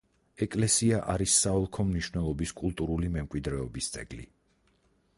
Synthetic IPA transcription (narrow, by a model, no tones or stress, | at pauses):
ɛkʼlɛsiaʔaɾisːaɔlˠkʰɔmniʃwnɛlˠɔbiskʼulˠt̪ʼuɾulimɛmkʼwid̪ɾɛɔbist̪sʼɛ̰ɡlḭ